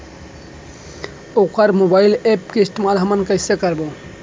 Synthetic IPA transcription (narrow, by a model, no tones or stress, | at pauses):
okʰəɾmobailepkeist̪emalɦəmənkəɪsekəɾbo